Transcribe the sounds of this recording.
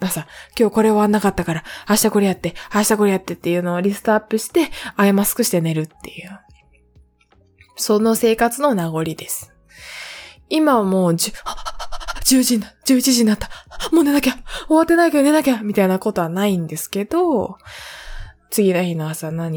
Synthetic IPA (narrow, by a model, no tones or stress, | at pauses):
asakʲo̞ːko̞ɾe̞o̞βanːakat̪ːakaɾaaɕi̥t̪ako̞ɾejat̪ːe̞haɕi̥t̪ako̞ɾejat̪ːe̞t̪ːe̞jɯ̟ːno̞ːɾʲisɨ̥t̪oapːɯ̟ɕi̥t̪e̞aemasɨ̥kɯ̟ɕi̥t̪e̞ne̞ɾɯ̟t̪ːe̞jɯ̟ː | so̞no̞se̞ːkat͡sɨno̞naɡo̞ɾʲid̪e̞sɨ̥ | imamo̞ːd͡ʑ | d͡ʑɨːʑĩnːad͡ʑɨːit͡ɕiʑĩɲːat̪ːḁmo̞ːne̞nakʲao̞βat̪ːe̞naikeone̞nakʲamʲit̪ainako̞t̪o̞βanaĩnd̪e̞sɨ̥ke̞d̪o̞ | t͡sɨɡʲinoçʲinoasanaɲ̟